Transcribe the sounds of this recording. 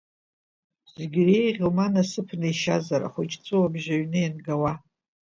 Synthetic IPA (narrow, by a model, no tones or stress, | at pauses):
z̥eɡʲrejʁʲlmanasɨpʰnɨiʃazaɾa̰χʷʊt͡ʃʰʼt͡sʷʼɨwabʒaɥnɨjanɡawa